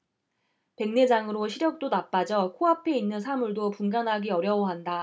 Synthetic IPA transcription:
pe̞ŋne̞d͡ʑaŋɯɾoɕʰiɾjʌk̚t͈onap͈ad͡ʑʌkʰoɦapʰe̞inːɯnsʰamuɭdopuŋɡanɦaɡiʌɾjʌwʌɦanda

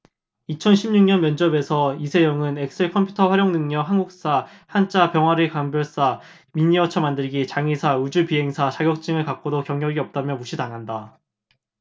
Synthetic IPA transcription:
it͡ɕʰʌnɕʰimɲuŋɲʌnmjʌnd͡ʑʌbe̞sʰʌisʰe̞jʌŋɯnek̚s͈ɯɭkʰʌmpʰjutʰʌɸwaɾjoŋnɯŋɲʌɦanɡuk̚s͈ahant͡ɕ͈ʰapjʌŋwaɾikambjʌɭs͈a | miɲiʌt͡ɕʰʌmandɯɭɡit͡ɕaŋisʰaud͡ʑupiɦe̞ŋsʰat͡ɕʰaɡjʌk̚t͡ɕ͈iŋɯɭkak͈̚odokjʌŋɲjʌɡiʌp̚t͈amjʌmuɕʰitaŋɦanda

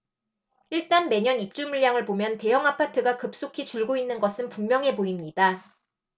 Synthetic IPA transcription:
iɭt͈anme̞ɲʌnip̚t͡ɕ͈umuɭjaŋɯɭpomjʌnte̞jʌŋapʰatʰɯɡakɯp̚s͈okʰit͡ɕuɭɡoinːɯnɡʌsʰɯnpuŋmjʌŋɦe̞poimɲida

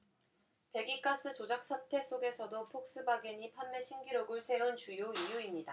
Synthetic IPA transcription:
pe̞ɡik͈as͈ʰɯt͡ɕod͡ʑak̚s͈ʰatʰe̞sʰoɡe̞sʰʌdopʰok̚s͈ɯbaɡeɲipʰanːeɕʰiŋɡiɾoɡɯɭsʰe̞unt͡ɕujoijuimɲida

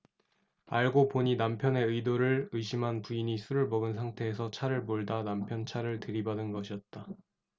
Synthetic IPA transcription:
aɭɡopoɲinampʰjʌne̞ɯjdoɾɯɭɯjɕʰimɦanpuiɲisʰuɾɯɭmʌɡɯns̬ʰaŋtʰe̞ːsʰʌt͡ɕʰaɾɯɭmoɭdanampʰjʌnt͡ɕʰaɾɯɭtɯɾibadɯnɡʌɕʰiʌt̚t͈a

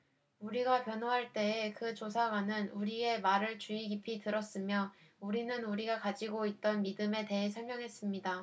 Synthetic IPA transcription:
uɾiɡapjʌnoɦaɭt͈e̞ekɯt͡ɕosʰaɡwanɯnuɾie̞maɾɯɭt͡ɕuiɡipʰitɯɾʌs͈ɯmjʌuɾinɯnuɾiɡakad͡ʑiɡoit̚t͈ʌnmidɯme̞te̞ɦesʰʌɭmjʌŋɦe̞s͈ɯmɲida

